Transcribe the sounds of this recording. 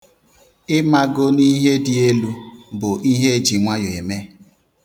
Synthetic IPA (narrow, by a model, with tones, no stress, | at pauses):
ɪ˦ma˦ɡo˦ni˦ɦe˦dɪ˨e˦lu˦bʊ˨ʔi˦ɦe˦d͡ʒi˨ŋʷa˦jo˨e˨me˦